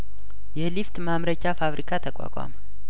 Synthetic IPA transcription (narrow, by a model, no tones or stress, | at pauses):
jɛlift̪mamɾət͡ʃːafaβɾikʰat̪ʰəkʷʼa̰kʷʼa̰mə